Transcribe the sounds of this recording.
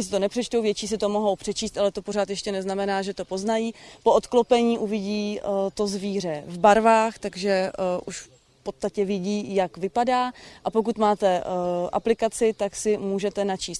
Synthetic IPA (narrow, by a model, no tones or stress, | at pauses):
ɲɪs̬ɪt̪o̞nɛpr̥ɛt͡ʃt̪owvjɛt͡ʃiːs̬ɪt̪o̞mo̞ɦo̞wpr̥ɛt͡ʃiːst̪ʔalɛt̪o̞po̞ɾaːt̪jɛʃcɛnɛznamɛnaːʒɛt̪o̞po̞znajiːpo̞ʔot̪klopɛɲiːʔuvɪɟiːt̪o̞zviːr̝ɛvbaɾvaːxt̪aɡʒɛʔuʃf | po̞t̪st̪acɛvɪɟiːjakvɪpadaːʔapo̞k̬ut̪maːt̪ɛʔa̰plɪkat͡sɪt̪aksɪmuːʒɛt̪ɛnat͡ʃiːst̪̚